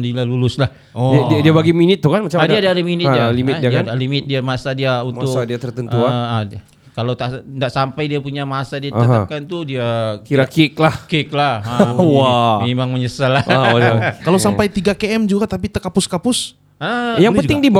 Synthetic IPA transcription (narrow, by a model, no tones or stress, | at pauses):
dilalulʊslah | iadadiabaɡiminɪt̪ːukanmat͡ʃamadiadaːdaminɪtalimɪt̪iaadalimɪt̪̚diamasadiaunmʊskadiat̪ərt̪ənua | kalawt̪aʔndaʔsampajdiapuɲamasadiaəɦ̪apkant̪udiakiɾakiklahkik̚laawamemaŋməɲəsala | kalowsampajt̪iɡakeɛmd͡ʒuɡat̪ap̬it̪əkapʊskapʊs | əjaŋpənt̪ɪŋdib